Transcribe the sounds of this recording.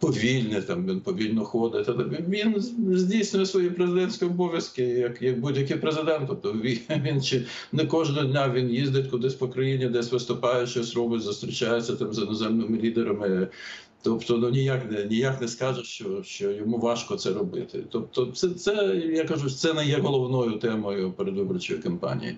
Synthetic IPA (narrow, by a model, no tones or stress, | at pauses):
pɔʋʲilʲnɪt̪ɑmʋʲinpɔʋʲilʲnɔxɔd̪ɪt̪ɐd̪ɛʋʲiʋʲinzʲdʲijsʲnʲʊjɛsʋɔjipɾezɪd̪ɛnʲsʲkɔjɔbɔʋʲjɐskɪjɐkjɐk̚budʲjɐkɪjpɾezɪd̪ɛnt̪ːɔp̚t̪ɔʋʲiʋʲint͡ʃɪ | nɛkɔʒnɔɦɔdʲnʲaʋʲinjizd̪ɪtʲkʊd̪ɪsʲpɔkɾɐjinʲid̪ɛsʲʋɪst̪ʊpɑjɛʃt͡ʃɔsɾɔbɪzʊst̪ɾʲɪt͡ʃajɛt͡sʲːɐt̪ɑmzɪnɔzɛmnɪmɪlʲid̪eɾɐmɪ | t̪ɔpt̪ɔnunʲijaknɛnʲijaknɛskɑʒɛʃt͡ʃɔʃt͡ʃɔjɔmuʋɑʃkɔt̪sɛɾɔbɪ̰t̪ɪ̰t̪ɔp̚t̪ɔt̪sɛt̪sɛjakɐʒut̪sɛnɛjɛɦɔlˠɔʋnɔjʊt̪ɛmɔjʊpeɾed̪ʋɪbɔrt͡ʃɔjikɔmpɑ̰nʲḭjḭ